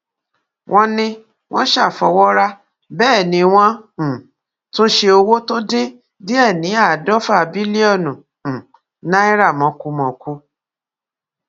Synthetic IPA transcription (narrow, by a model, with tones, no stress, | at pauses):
wʔɔ̃˦nĩ˧ | w̃ɔ̃˦ʃa˦˨fɔ˧˦wɔ˦ɾa˦ | bɛː˦˨nĩ˧w̃ɔ̃˦˨ | to˦ʃe˧o˧wo˦to˦dĩ˦ | di˦ɛ˦˨nĩ˨˦a˦˨dɔ˦fa˦˨bi˦li˦ɔ˦˨nũ˨ | nã˦i˦ɾa˦˨mɔ̃˨˦ku˧˦mɔ̃˨ku˧˦